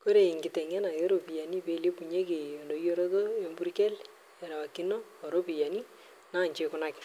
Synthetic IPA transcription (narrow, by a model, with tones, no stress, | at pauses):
ko˦ɾe˨ɪ˨ŋɡɪ˨tɛ˨ŋɛ˦na˨jɔ˦ɾo˨pi˨ja˨ni˦pe˨le˦pu˨ɲe˦ke˨ɔ˨ndo˨jo˦ɾɔ˦tɔ˦ombu˦rkɛ˦l | ɛ˨ɾa˨a˨ki˦nɔ˦ | ɔ˨ɾo˦pi˨ja˨ni˦ | na˦˨ɲt͡ʃɪ˦kʊnakɪ̥˨